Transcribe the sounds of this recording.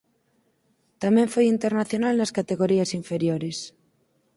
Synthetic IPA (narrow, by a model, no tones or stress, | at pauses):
t̪amẽɱfojint̪eɾnaθjonalnaskat̪eɣoɾiasiɱfeɾjoɾes